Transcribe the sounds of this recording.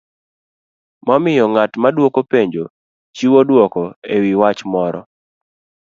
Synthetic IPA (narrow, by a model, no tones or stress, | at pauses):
mamɪjɔŋatmadwokopeɲd͡ʒo | t͡ʃiwodwɔkɔewiwat͡ʃmɔɾɔ